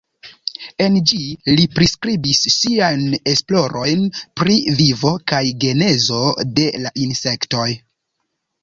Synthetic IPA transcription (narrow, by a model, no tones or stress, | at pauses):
e̞nd͡ʒilipɾiskɾibisːiajne̞splo̞ɾo̞jnpɾivivo̞kajɡe̞ne̞zo̞de̞laʔinse̞kto̞j